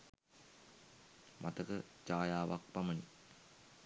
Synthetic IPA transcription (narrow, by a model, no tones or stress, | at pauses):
mʔɐt̪ɐkɯt͡ʃaːjaːʋɐk̚pɐmɐni